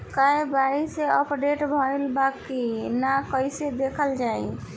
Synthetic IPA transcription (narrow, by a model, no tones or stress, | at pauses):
kaẽbaiseəpɖeʈbʱəelbakinakəjsed̪ekʰəld͡ʒaḭ̃